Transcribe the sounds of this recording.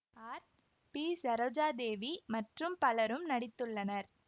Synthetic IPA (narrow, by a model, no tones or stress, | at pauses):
aːɾ | piːsɐɾɐːd͡ʒaːd̪eːʋimɐʈrɯmpɐlɐɾɯmnɐɽɪt̪ːɯɭːɐnɐɾ